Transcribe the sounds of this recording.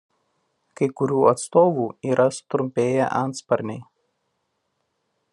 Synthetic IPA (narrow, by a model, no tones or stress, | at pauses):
kɐɪkʊɾʲuːɐt̪st̪oːʋuːiːɾɐsʊ̥t̪ɾʊmʲpʲeːjɛʔɐnt̪spɐɾʲnʲɛɪ